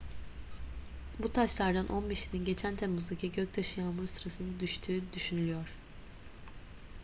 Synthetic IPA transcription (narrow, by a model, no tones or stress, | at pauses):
but̪ʰaʃlˠaɾd̪anʔo̞nbeʃininɟe̞t͡ʃʰænt̪ʰemːuzd̪acʰiɟøc̚t̪ʰaʃɯjanmɯsɯɾasɯnd̪ad̪yʃt̪ʰyːd̪yʃynylʲyjoɾ̥